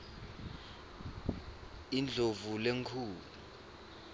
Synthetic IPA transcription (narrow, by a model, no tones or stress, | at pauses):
ind͡ɮʱovuleŋkʰuːlu